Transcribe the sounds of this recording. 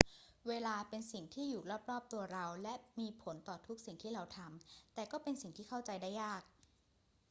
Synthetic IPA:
weː˧laː˧pe˧nsi˨˩ŋt̪ʰiː˥˩juː˨˩ɾɔː˥˩p̚ɾɔː˥˩p̚t̪u˧ɐɾa˧wlɛ˦˥ʔmiː˧pʰo˩˦nt̪ɔː˨˩t̪ʰu˦˥k̚si˨˩ŋt̪ʰiː˥˩ɾa˧wt̪ʰa˧mt̪ɛː˨˩kɔː˥˩pe˧nsi˨˩ŋt̪ʰiː˥˩kʰa˥˩wt͡ɕa˧jdaː˥˩jːaː˥˩k̚

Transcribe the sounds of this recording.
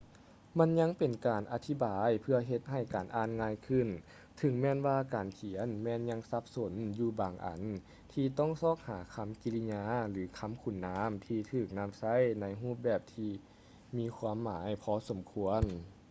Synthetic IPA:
ma˧˥˨nɲa˧˥˨ŋpe˨˩nkaː˨˩nʔa˧t̪ʰi˦˥baː˨jpʰɯ˧ɐɦe˧t̪̚ha˧˩jkaː˨˩nʔaː˧˩˨nŋaː˧˥jkʰɯ˧˩˨n | t̪ʰɯ˨˧˦ŋmɛː˧˨nwaː˧kaː˨˩nkʰi˨˩˦ənmɛː˧˥nɲa˧ŋsa˧˥p̚so˨˩˦njuː˧˩baː˨˩ŋʔa̰˨˩n | t̪ʰiː˧t̪ɔ˥˩ŋsɔː˧˥˩k̚haː˩˦kʰa˧˥˩mki˧li˧ɲaː˧˥lɯː˨˩˦kʰa˧˥˨mkʰu˨˩nːaː˧˥mt̪ʰiː˧t̪ʰɯː˧˨˩k̚na˧˥˨msa˧˥˨jna˧˥jɦuː˥˩p̬̚bɛː˧˩p̚t̪ʰiː˧ | miː˧˥˨kʰwaː˧˥˨mːaː˩˦jpʰɔː˧˥so˩˦mkʰu˧˥ən

